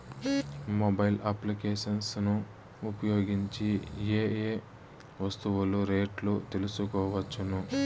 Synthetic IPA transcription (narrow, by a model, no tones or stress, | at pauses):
mobɐjlʔɐplikeːʃɐnsnuː | pɐjoːɡiɲt͡ʃieːeː | ʋɐst̪uwuluɾeːʈlut̪elusukɔːʋɐt͡ʃːunu